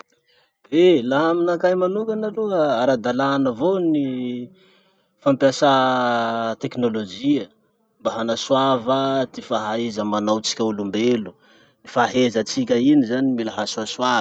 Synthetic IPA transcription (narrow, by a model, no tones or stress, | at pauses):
elaɦaminakajmanukanaruəaɾad̪alanəvoni | fampjasa | t̪eknolod͡ʒiə | mbaɦanaswavad̪ifaɦaezəmanawt͡si̥kʲaulumbelu̥ | ifaɦezət͡sikʲəinizanimilaɦasuaswav